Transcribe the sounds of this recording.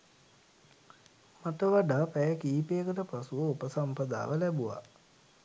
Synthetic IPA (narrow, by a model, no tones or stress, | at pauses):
maʈəʋaɖaːpɛjəkiːpeːkəʈəpasuʋəupəsampəd̪a̰ːʋəlɛbuʋa̰